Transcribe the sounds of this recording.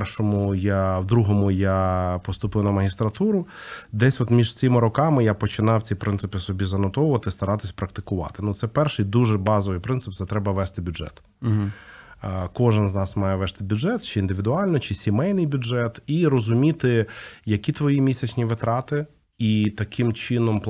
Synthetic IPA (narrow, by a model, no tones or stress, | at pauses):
rʃɔmʊjawd̪ɾuɦɔmʊjapɔst̪ʊpɪwnɐmɐɦʲist̪ɾɐt̪uɾʊd̪ɛsʲʋɔt̪mʲiʒt͡sʲɪmɪɾɔkɑmɪjapɔt͡ʃɪnɑwt͡sʲipɾɪnsɪpɪsɔbʲizɐnɔt̪ɔwʊʋɐt̪ɪst̪ɐɾɑt̪ɪsʲpɾɐk̚t̪ɪkʊʋɑ̰t̪ɪnut̪sɛpɛrʃɪjd̪uʒɛbɑzɔʋɨjpɾɪnt̪sɨp̪̚sɛt̪ɾɛbɐʋɛst̪ɪbʲʊd͡ʒɛ̰t̪ | kɔʒɪnznɑsmɑjɛʋɛst̪ɪbʲʊdʒɛt̪t͡ʃɪiːnd̪ɪʋʲid̪ʊɑlʲnɔt͡ʃɪsʲimɛjnɪjbʲʊdʒɛt̪iɾɔzʊmʲit̪ɪjɐkʲit̪ʋɔjimʲisʲɐt͡ʃʲnʲiʋɪt̪ɾɑt̪ɪ | it̪ɐkʰɪmt͡ʃɪnɔmp